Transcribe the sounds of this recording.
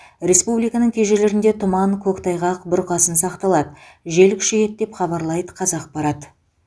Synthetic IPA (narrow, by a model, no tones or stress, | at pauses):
ɾʲe̞spublijkɑnəɴkʲʰe̞ʒele̞ɾɪnd̪e̞t̪ʰʊmɑŋkʲʰɵkt̪ʰɑjʁɑqbɪɾqɑsənsɑqt̪ɑlˠɑd̪əʒe̞lkʲʰʏ̥ʃejet̪̚d̪e̞pχɑbɑɾlˠɑjd̪ə̥qʰɑzɑq̚bɑɾɑt̪ə